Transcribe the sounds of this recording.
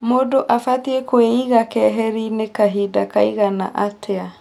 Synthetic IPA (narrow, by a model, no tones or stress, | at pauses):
modoʔafatiekoeiɣakɛɦɛɾinekaɦidakaiɣana̰ʔatʰea